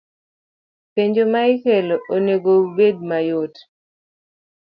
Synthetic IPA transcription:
peɲd͡ʒomaɪkɛloʔoneɡoubed̚majot

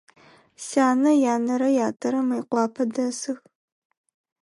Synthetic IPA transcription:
saːnɐjaːnɐɾɐjaːtʰʼɐɾɐmɐjqʷɑːpʰɐdɐsɨx

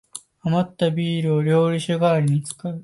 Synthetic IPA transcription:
amat̪ːabʲiːɾɯo̞ɾʲo̞ːɾʲiɕɨɡaːɾʲiɲ̟it͡sɨ̥kaɯ̟

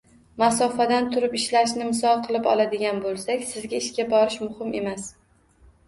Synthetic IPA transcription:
masɒfad̪ant̪ʰʊɾɪpɪʃlaʃnɪmɪsɒlˠqʰɨlˠɪpɒ̰lˠad̪ɪɡʲanbolˠsakʲsɪzɡʲaɪʃkʲabɒɾɪʃmʊhɪme̞mas

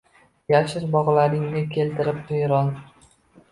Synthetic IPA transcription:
jaʃɪɾbɒʁlaɾɪŋnɪkʲʰe̞lt̪ʰɪɾɪp̚hejɾɒn

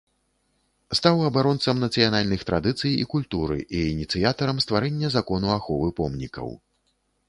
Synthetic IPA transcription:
st̪awɐbaɾɔnt̪sɐmnɐt̪sɨjanalʲnɨxt̪ɾad̪ɨt̪sɨjḭkulʲt̪uɾɨ̰ʔiːnʲit̪sɨjat̪ɐɾɐmst̪vaɾɛnʲːɐzakɔnuaxɔvɨpɔmnʲḭkɐ̰w

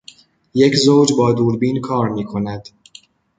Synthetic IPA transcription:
je̞cʰzowd͡ʒbɒːd̪uːɾbiːnkʰɒːɾmiːkʰo̞næd̪̥

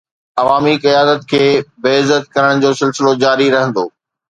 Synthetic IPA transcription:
ɐʋaːmiqɪjaːd̪ət̪̚kʰeːbeɪzət̪̚kɐɾəɽ̃d͡ʑoːsɪlsɪlod͡ʑaːɾiɾɐɦə̃nd̪oː

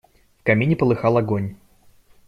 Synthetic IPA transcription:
fkɐmʲinʲɪpəlˠɨxɑlˠɐɡonʲ

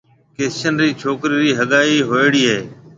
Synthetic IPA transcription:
keːsʃənɾiːt͡ʃʰoːkɾiːɾiːɦəɠaːiːɦoːeːɽiːɦeː

